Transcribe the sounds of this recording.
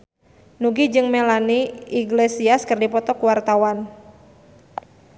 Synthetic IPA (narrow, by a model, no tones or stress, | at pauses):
nuɡid͡ʒɨŋmelaniiɡlesiaskərdipɔpt̪ɔkuwart̪awan